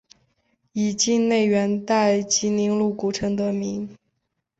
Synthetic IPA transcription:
i˨˩t͡ɕi˥˧ŋne˥˩ɪɥɛ˧˥nt̪a˥˩ɪt͡ɕi˧˥ni˧˥ŋlu˥˩ku˨˩ʈ͡ʂʰɤ˧˥ŋd̪ə˧˩mi˧˥ŋ

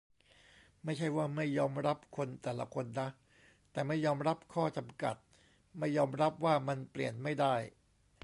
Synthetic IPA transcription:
ma˥˩jt͡ɕʰa˥˩jwaː˥˩ma˥˩jːɔː˧mɾa˦˥p̚kʰo˧nt̪ɛː˨˩la̰˧˦kʰo˧nːa˦˥ʔ | t̪ɛː˨˩ma˥˩jːɔː˧mɾa˦˥p̚kʰɔː˥˩t͡ɕa˧mka̰˨˩t̪̚ | ma˥˩jːɔː˧mɾa˦˥p̚waː˥˩ma˧nplḭ˨˩ənma˥˩jda˥˩j

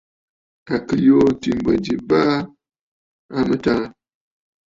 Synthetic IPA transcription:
a˨kɨ˨jo˦ti˨m˨bə˨di˨ba˦ | a˦mə˦ta˦

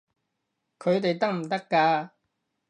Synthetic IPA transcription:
kʰɵ˨˧ɥt̪e˨jt̪ɐ˥k̚m̩˨˩t̪ɐ˥kːaː˧

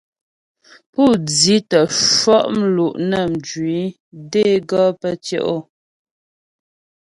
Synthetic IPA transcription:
pu˦˨d͡zi˦tə˨ʃwɔ˦ʔm̩˦lu˨ʔnə˨m˨d͡ʒɥi˨˦ | de˦ɡɔ˦pə˦tjo̰˦ʔo˦˨

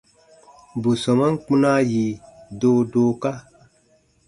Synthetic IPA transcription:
bu˨sɔ˨ma˦n˦k͡pũ˦na˦ji˨doː˧˦doː˧˦ka˦

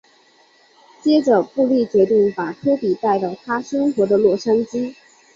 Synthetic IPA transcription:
t͡ɕjɛ˥ʈ͡ʂə˨˩pu˥˧li˥˩t͡ɕɥɛ˧˥t̪i˥˩ŋpa˨˩k̪ʰɤ˥p̪i˨˩t̪a˥˩ɪlə˨˩t̪ʰa˥ʂɤ˥ŋxwɔ˧˥d̪ə˧lwɔ˥˩ʂa˥ŋt͡ɕi˥

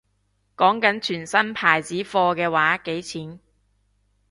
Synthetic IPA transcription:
kɔː˨˥ŋkɐ˨˥nt͡ʃʰyː˨˩nsɐ˥npʰaː˨˩jt͡siː˨˥fɔː˧kɛː˧waː˨˥ke˨˥jt͡sʰiː˨˥n

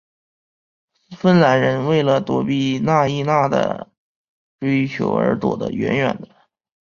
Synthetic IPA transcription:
fə˥˩nla˧˥nɻə˧˥nwe˥˩ɪlə˩t̪wɔ˧˥pi˥˩na˥˧i˥˧na˥˩d̪ə̰˩ | ʈ͡ʂe˥ɪ˧t͡ɕʰjo˧˥ʊə̰˞˧˥t̪wɔ̰˨˩d̪ə̰˦ɥɛ̰˧˥nɥɛ̰˨˩nd̪ə˦

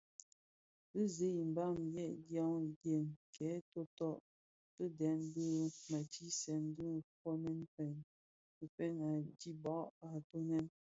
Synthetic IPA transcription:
bə˦ze˦i˨m̩˨ba˦˨mjɛ˦˨ʔdja˦ŋɡje˨ŋkɛ˨˦to˦tɔ˦˨ʔ | tə˦dɛ˨˦nbə˦ma˨ti˦sɛ˨n˦dɨ˦˨fɔ˦nɛ˦npɛ˨n | ə˨pɛ˦na˨di˦bɔ˨˦ʔa˨to˦nɛ˦n

